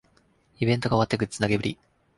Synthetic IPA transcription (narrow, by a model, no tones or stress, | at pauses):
ibẽ̞nt̪oɡaoat̪ːekɯɾi̥t͡sɨnaɡe̞bɯ̟ɾʲḭ